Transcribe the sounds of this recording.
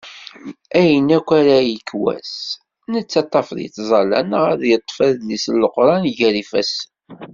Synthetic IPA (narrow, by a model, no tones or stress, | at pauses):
æjənækʷːæɾæjəkːwæ̰s | nət͡sːɑt̪ˤːɑfðḭθzˤɑlæ̰nʁæðjət̪ˤːfæðlisəlːəqɾˤɑnʝæɾifæs